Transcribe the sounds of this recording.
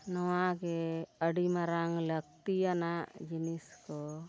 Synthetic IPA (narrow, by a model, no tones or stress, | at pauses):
nɔwaɡɛəɖimaɾaŋlək̚t̪ianaʔd͡ʒiniskɔ